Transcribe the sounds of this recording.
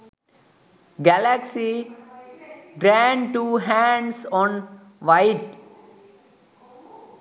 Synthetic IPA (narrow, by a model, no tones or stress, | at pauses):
ɡælæksi | ɡɾæ̃ɳʈuːɦæ̃ɳɖsɔ̃ːn | ʋaɪʈ